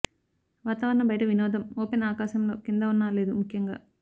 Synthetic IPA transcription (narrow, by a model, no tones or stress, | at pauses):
ʋaːt̪ɐʋɐɾɐnɐbɐjɐʈɐʋinɔːd̪ʱɐmoːpenaːkaːʃɐmlo̞ːkind̪ɐunːaːle̞ːd̪umukʰjɐŋɡaː